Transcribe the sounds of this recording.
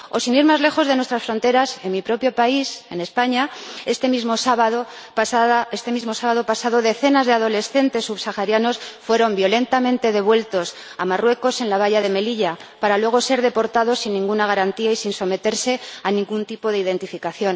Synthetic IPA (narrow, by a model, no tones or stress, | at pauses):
o̞siniɾmazle̞xo̞zðenwest̪ɾasfɾo̞nt̪e̞ɾase̞nmipɾo̞pjo̞paise̞̰ne̞spaɲaest̪emizmosaβaðo | saðest̪e̞mizmo̞saβaðo̞pasað̞o̞ðe̞θe̞nazðe̞aðo̞le̞sθe̞nt̪e̞sːuβsaxaɾjano̞sfwe̞ɾo̞mbjo̞le̞nt̪amẽ̞nt̪e̞ðe̞β̞we̞lt̪o̞s | amarwe̞ko̞se̞nlaβ̞aʝað̞e̞me̞liʎapaɾalwe̞ɣo̞se̞ɾðe̞po̞ɾt̪að̞o̞sːinːĩŋɡunaɣ̞aɾant̪iaisinso̞me̞t̪e̞ɾse̞anĩŋɡunt̪ipo̞ðeið̞e̞nt̪ifikaθjo̞n